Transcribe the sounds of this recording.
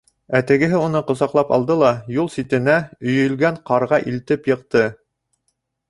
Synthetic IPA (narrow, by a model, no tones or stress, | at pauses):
æt̪ɘ̆ɡɘ̆ɦɘunɤqŏsɑqlˠɑpɑ̰lˠd̪ɤlˠɑjulˠsit̪ɘ̆næɵ̆jɵ̆lɡæɴqɑɾʁɑʔilt̪ɘpjɤ̆q̚t̪ɤ